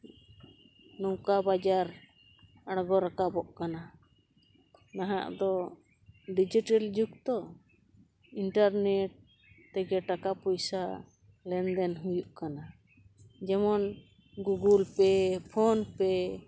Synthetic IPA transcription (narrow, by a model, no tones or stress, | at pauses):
nɔwkabad͡ʒaɾ | aɽɡɔɾakabɔʔkana | naɦa̰ʔd̪ɔ | ɖid͡ʒiʈɛld͡ʒuk̚t̪ɔ | inʈaɾnɛʈ̚ | t̪ɛɡɛʈakapɔjsa | lɛnd̪ɛnɦujuʔkana | d͡ʒɛmɔn | ɡuɡulpɛpʰɔnpɛ